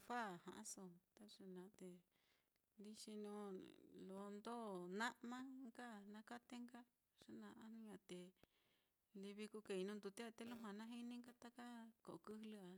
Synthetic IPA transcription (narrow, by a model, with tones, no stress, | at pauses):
fa˦˨hã̰˨ʔã˦so˧˨t̪a˦ʂa˧nã˨˧t̪e˧ | li˦ʃi˧nũ˦lo˨˦nd̪o˦˨nã˦ʔmã˦ŋɡa˦nã˧ka˦t̪e˦ŋɡa˦ | ʂa˦nã˧ʔã˧nũ˦ɲã˧t̪e˧ | li˧βi˧ku˧ke˧˨i˧nũ˧nd̪u˧t̪e˦a˧t̪e˦lu˦ɦã˧nã˦ɦi˦nĩ˦ŋɡa˦t̪a˦ka˦ko˨ʔkɨ˦lɨ˦a˧